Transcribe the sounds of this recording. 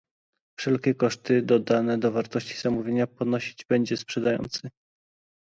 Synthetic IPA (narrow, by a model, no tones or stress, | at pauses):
fʂɛlkʲɛkɔʂt̪ɘd̪ɔd̪anɛd̪ɔvaɾt̪ɔɕt͡ɕi̥z̥amuvʲjeɲapɔnɔɕi̥d͡ʑbɛɲd͡ʑɛspʂɛd̪ajɔ̰nt̪sɘ